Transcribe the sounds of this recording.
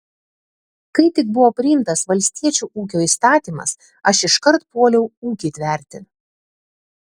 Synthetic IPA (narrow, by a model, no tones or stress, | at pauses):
kɐɪt̪ʲɪk̚bʊʋoːpʲɾʲɪɪmt̪ɐsʋɐlʲsʲt̪ʲiɛt͡ʃʲuːʔuːk̬ʲoːiːst̪ɑːt̪ʲiːmɐ̰s | ɐʃɪʃkɐɾt̪poɔːlʲɛʊuːkʲɪt̪ʲʋʲɛˑɾʲt̪ʲɪ